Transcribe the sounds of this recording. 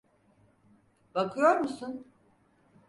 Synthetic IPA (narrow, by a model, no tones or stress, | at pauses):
bakʰɯjo̞ɾmusun